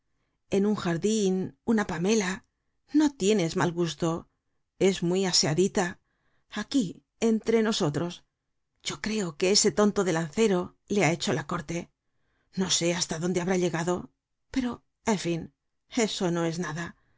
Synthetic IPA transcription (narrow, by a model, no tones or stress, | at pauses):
e̞nuŋxaɾðinunapame̞la | no̞t̪je̞ne̞zmalɣust̪o̞ | e̞zmwiaseaðit̪a | aki | e̞nt̪ɾe̞no̞so̞t̪ɾo̞s | ɟ͡ʝo̞kɾe̞o̞ke̞ese̞t̪o̞nt̪o̞ðe̞lanθe̞ɾo̞ | leae̞t͡ʃo̞lako̞ɾt̪e̞ | no̞se̞ast̪aðo̞nd̪e̞aβɾaʎe̞ɣaðo̞ | pe̞ɾo̞ | e̞ɱfin | e̞so̞no̞e̞znaða